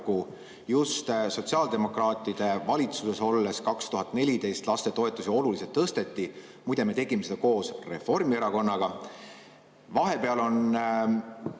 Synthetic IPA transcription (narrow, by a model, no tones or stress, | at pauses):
ku | just̪so̞t̪ʲsiɑːld̪e̞mo̞krɑːt̪ːˑid̪̥e̞vɑlʲit̪suse̞so̞lːe̞skɑkst̪uɦɑt̪ːˑne̞lʲid̪e̞jst̪lɑst̪e̞t̪o̞e̞t̪ːˑuseo̞luliset̪ːɤst̪e̞t̪ːi | mujd̪e̞me̞t̪e̞ɡ̥imesed̪̥ɑko̞ːsre̞̰fo̞rmieɾɑko̞nːɑɡ̥ɑ | vɑɦe̞pe̞ɑlo̞n